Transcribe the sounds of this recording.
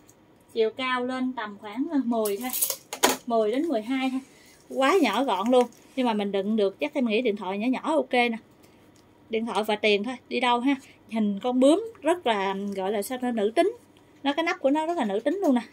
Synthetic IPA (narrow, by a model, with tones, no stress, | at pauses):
t͡ɕḭ˧˨əwkaː˧wle˧nt̪ə˨˩mxwaː˧˩ŋ˧mɨ˨˩əjt̪ʰo˧jmɨ˨˩əjɗe˨˦nmɨ˨˩əjɦaː˧jha˧ | kwaː˨˦ɲɔ˧˩˦ɣɔ̰˧˨nlu˧ən | ɲɨ˧ŋmaː˨˩mï˨˩ŋ̟ɗɨ̰˧˨ŋɗɨ˨˩ək̚t͡ɕa˦˥k̚ʔɛ˧mŋḭ˧˥ɗḭ˧˨ənt̪ʰwɔ̰˧˨jɲɔ˧˨˦ɲɔ˧˩˦ʔo˧ke˧na˨˩ | ɗḭ˧˨ənt̪ʰwɔ̰˧˨jvaː˨˩t̪i˨˩ənt̪ʰo˧jɗi˧ɗə˧wɦaː˧˥hï˨˩ŋ̟kɔ˧nɓɨ˨˦əmzə˦˥t̚laː˨˩ɣɔ̰˧˨jlaː˨˩sa˧wnɨ̰˧˥t̪ï˨˦ŋ̟ | nɔ˨˦kaː˨˦jna˦˥p̚ku˧˩ənɔ˨˦zə˦˥laː˨˩nɨ̰˧˥t̪ï˨˦ŋ̟lu˧əna˨˩